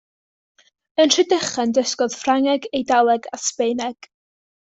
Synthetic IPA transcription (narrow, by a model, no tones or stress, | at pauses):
ənr̥ɨdəχɛndəskɔð̥fraŋɛɡejdalˠɛɡa̰spejnɛɡ̥